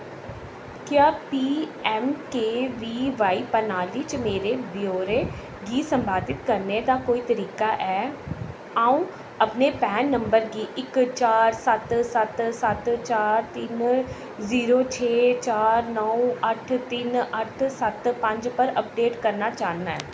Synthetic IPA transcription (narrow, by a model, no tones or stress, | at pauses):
kjaːpiːɛːmkeːʋiːʋaːiːpənaːliːt͡ʃmeːɾeːboːɾe | ɡiːsəmbʱaːd̪ɪt̪kəɾned̪aːkoːiːt̪əɾiːkaʔɛː | aːũː | əpneːpɛːnːəmbəɾɡiːʔɪkt͡ʃaːɾsət̪sət̪sət̪t͡ʃaːɾt̪ɪn | ziːɾoːt͡ʃʰeːt͡ʃaːɾnəũəʈʰt̪ɪnəʈʰsət̪pə̃ɲd͡ʒpəɾəp̚ɖeːʈkəɾnaːt͡ʃaːnaːɛː